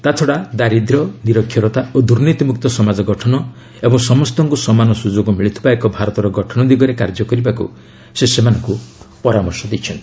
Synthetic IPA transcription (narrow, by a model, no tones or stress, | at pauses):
t̪at̪ʰɔɽad̪aɾid̪ɾɔniɾɔkʰːjɔɾɔt̪aod̪uɾnit̪imuk̚t̪ɔsɔmad͡ʒɔɡɔʈʰɔnɔ | ebɔŋsɔmɔst̪ɔŋkusɔmanɔsud͡ʒoɡɔmiɭit̪ʰi̥baekɔbʱaɾɔt̪ɔɾɔɡɔʈʰɔnɔd̪iɡɔɾekaɾd͡ʒɔkɔɾibakṵ | sesemanɔŋkupɔɾamɔɾsɔd̪it͡ʃʰɔnt̪i̥